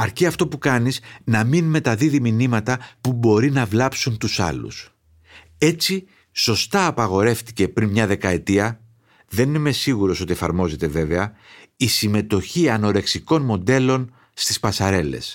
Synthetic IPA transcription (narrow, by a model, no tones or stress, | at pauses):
ɐɾciɐft̪o̞pukɐniznɐminme̞t̪ɐðiðiminimɐt̪ɐpubo̞ɾinɐvlɐpsunt̪usɐ̰lṵs | e̞t͡si | so̞st̪ɐːpɐɣo̞ɾe̞fθi̥ce̞pɾinmɲɐðe̞kɐe̞t̪iɐ | ðe̞nime̞siɣuɾo̞so̞t̪ie̞fɐ̰ɾmo̞ze̞t̪e̞ve̞ve̞ɐisime̞t̪o̞çiɐno̞ɾe̞ksiko̞nmo̞nd̪e̞lo̞n | st̪ispɐsɐɾe̞le̞̰s